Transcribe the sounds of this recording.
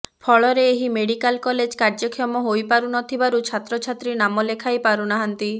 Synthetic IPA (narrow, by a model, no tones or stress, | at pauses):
pʰɔɭɔɾeːɦimeɽikalkɔled͡ʒkaɾd͡ʒɔkʰiɔmɔɦojpaɾunɔt̪ʰibaɾut͡ʃʰat̪ɾɔt͡ʃʰat̪ɾinamɔlekʰajpaɾunaɦant̪i